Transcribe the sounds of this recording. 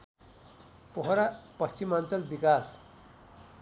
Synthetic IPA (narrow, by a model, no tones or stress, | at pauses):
poɦɾapʌst͡ʃimant͡sʌlbikas